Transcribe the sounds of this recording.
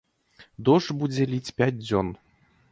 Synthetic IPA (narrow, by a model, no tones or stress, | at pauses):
d̪oʂbud͡zʲelʲit͡sʲpʲæt̚ʲdʲon